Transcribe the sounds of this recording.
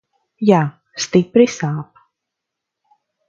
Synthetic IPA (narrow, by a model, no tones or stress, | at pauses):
jaː | st̪ipɾisaːp